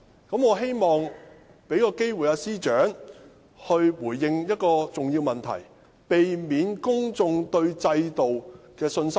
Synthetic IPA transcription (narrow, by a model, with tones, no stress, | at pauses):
kɐ˨˥mŋɔː˨˧ɦe˥jmɔː˨ŋ | pe˨˥jkɔː˧ke˥jwu˨jaː˧siː˥t͡ʃœː˨˥ŋ | hɵ˧ɥwuː˨˩jːɪ˧ŋjɐ˥t̚kɔː˧t͡sʊ˨ŋjiː˧wmɐ˨nt̪ʰɐ̰˨˩j | pe˨jmiː˨˧nkʊ˥ŋt͡sʊ˧ŋt̪ɵ˧ɥt͡sɐ˧jt̪o˨wkɛː˧sɵ˧nsɐ˥